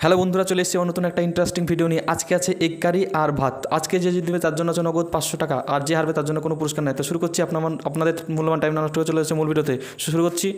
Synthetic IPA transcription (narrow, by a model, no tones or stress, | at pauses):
hɛlobond̪ʱuɾat͡ɕoleet͡ɕiɛmaɾnot̪unɛk̚ʈaiɳʈɾesʈiŋbʱiɖionieʔad͡ʑkeat͡ɕʰeʔekːaɾiʔaɾbʱat̪ad͡ʑked͡ʑed͡ʑed̪ibet̪aɾd͡ʑonːoat͡ɕʰenːɔɡod̪̚pat͡ɕʃoʈakaʔaɾd͡ʑeɦaɾbet̪aɾd͡ʑonːokonopuɾoʃkaɾnajt̪aoʃuɾukoɾt͡ɕʰiapnaaapnad̪eɾmulːomanʈajmnanoʃʈoket͡ɕoleat͡ɕʰemulbʱiɖiot̪e | ʃʃuɾukoɾt͡ɕʰi